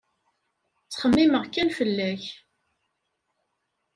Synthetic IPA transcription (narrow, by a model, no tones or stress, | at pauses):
t͡sːχəmːiməʁkːænfəlːæç